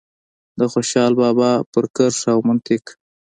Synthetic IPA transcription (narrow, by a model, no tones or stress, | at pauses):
d̪əxoʃɑlbɑbɑpəɾkəɾʂawmʊnt̪ɪk